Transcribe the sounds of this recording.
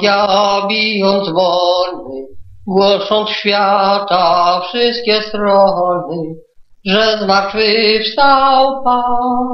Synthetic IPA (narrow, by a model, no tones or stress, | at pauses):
jabʲijɔnd̪zvɔlnɘ | ɡwɔʂɔ̃nt̪sɕfʲjat̪afʂɪst̪̚kʲɛst̪ɾɔɦɔnɘ | ʐɛzmatvɪʂt̪awp̪a